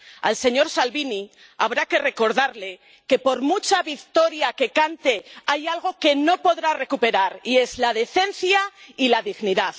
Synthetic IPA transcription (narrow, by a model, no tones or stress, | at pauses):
a̰lse̞ɲo̞ɾsalβini | a̰βɾake̞re̞ko̞ɾðaɾle̞ | ke̞po̞ɾmut͡ʃaβikt̪o̞ɾjake̞kant̪e̞ajalɣ̞o̞ke̞no̞po̞ðɾare̞kupe̞ɾaɾie̞zlað̞e̞θe̞nθjailaðiɣniðað